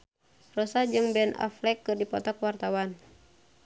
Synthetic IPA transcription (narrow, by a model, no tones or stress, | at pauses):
rɔsad͡ʒɨŋbɛna̰flɛkːɨrdipɔt̪ɔkwart̪awan